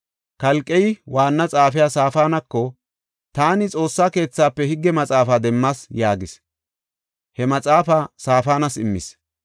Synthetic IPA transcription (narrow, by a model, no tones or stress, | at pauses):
kɐlkʼːɛjwaːnːɐt͡sʼaːfɪjaːsaːfaːnɐkːɔ | t̪aːnɪt͡sʼo̞ːsːaːke̞ːt͡sːaːpːɛhɪɡːɛmɐt͡sʼaːfaːd̪ɛmːɐsjaːɡɪs | hɛmɐt͡sʼaːfasaːfaːnɐsɪmːɪ̰s